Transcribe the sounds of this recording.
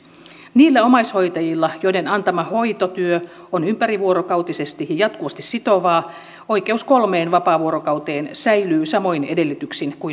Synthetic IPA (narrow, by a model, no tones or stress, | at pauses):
niːlːæomɑisho̞jt̪ɑjilːɑjo̞jde̞nɑnt̪ɑmɑho̞jt̪ot̪yø | onympæɾiʋuoɾokɑwt̪isest̪ijɑjɑt̪̚kuʋɑst̪issit̪o̞ʋɑː | o̞jk̟e̞usko̞lme̞ːnʋɑpɑːʋuoɾokɑut̪eːnsæjlyːsɑmo̞ine̞de̞lːit̪yksinkui